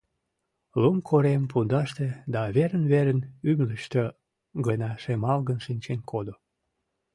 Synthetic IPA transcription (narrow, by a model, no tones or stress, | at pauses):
lumkʰoɾempund̪ɑʃt̪ed̪ɑβeɾənβeɾənymləʃt̪e | ɣənɑʃemɑlɣənʃinʲt͡ɕenkʰod̪o